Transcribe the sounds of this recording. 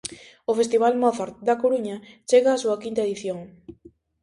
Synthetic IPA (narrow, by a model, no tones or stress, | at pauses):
ʊfest̪iβ̞almɔθaɾt̪d̪ɐkoɾuɲɐt͡ʃeɣaːsuɐkint̪ɐeðiθjoŋ